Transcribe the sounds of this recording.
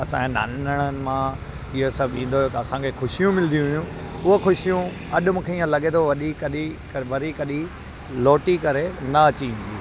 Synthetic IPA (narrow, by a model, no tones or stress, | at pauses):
ɐsã̰ena̰ːnnəɽ̃ənɪ̆mã | ɪɦosɐbʱĩːnd̪ojot̪ɐɐsãkʰexʊʃijũmɪld̪ĩɦijũʊɦoxʊʃijũ | ɐɗʊmũːkʰeiːə̃lɐɠet̪ʰoʋɐɗikɐɗi | ʋɐɾikɐɗi | loːʈikɐɾenɐɐt͡ɕiĩːn̆d̪i